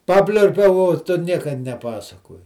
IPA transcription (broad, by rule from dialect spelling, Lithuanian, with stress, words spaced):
ˈpɑːpʲlʲʊrʲpʲɛʊ oː ˈtʊ ˈnʲiɛkɐ nʲɛˈpɑːsɐkoːjɪ